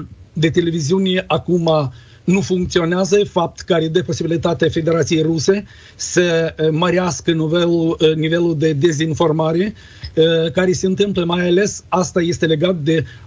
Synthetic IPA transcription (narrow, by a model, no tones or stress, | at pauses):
d̪e̞t̪e̞le̞viziunʲeakuma | nufuŋk̚t̪sio̞neazəfap̚t̪kəaɾed̪epo̞sibilit̪at̪eafe̞d̪e̞ɾat̪sije̞jruse̞ | səməɾaskənivelunive̞lud̪e̞d̪e̞zinfo̞rmaɾe̞ | kaɾe̞seɨnt̪ɨmpləmajale̞sast̪aje̞st̪e̞le̞ɡat̪̚d̪e̞